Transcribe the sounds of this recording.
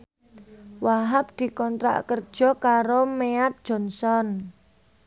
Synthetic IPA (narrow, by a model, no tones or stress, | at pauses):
waɦap̚d̪̥i̤kɔnt̪ɾa̰ʔkər̥ʒ̥ɔ̤kaɾomeat̪̚d̥ʒ̥ɔ̤nsɔn